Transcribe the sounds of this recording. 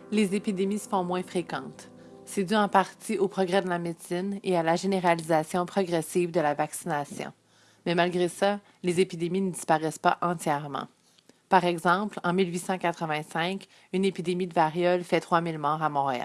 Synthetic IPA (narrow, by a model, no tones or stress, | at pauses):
lezepid̪emisə̥fɔ̃mwɛ̃fχekɑ̃t̪ | sɛd̪yɑ̃paʁt̪iopχɔɡʁɛd̪əlamed̪sɪnealaʒeneʁalizasjɔ̃pχɔɡʁɛsivd̪əlavaksinasjɔ̰̃ | mɛmalɡʁesa | lezepid̪eminəd̪i̥spaʁɛspaʔɑ̃t̪jɛʁmɑ̰̃ | paʁɛɡzɑ̃plɑ̃milɥisɑ̃kʲat̪χəvɛ̃sɛ̃k | ynepid̪emid̪əvaʁjɔblfɛt̪χwamilmɑːʁamɔ̃ʁea̰l